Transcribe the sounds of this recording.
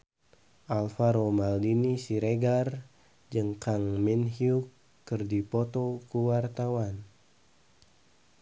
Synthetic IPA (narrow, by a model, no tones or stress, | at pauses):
ʔalfaɾomaldinisiɾeɡar | d͡ʒəŋkaŋminɦiukː | ərdipɔt̪okuwart̪awan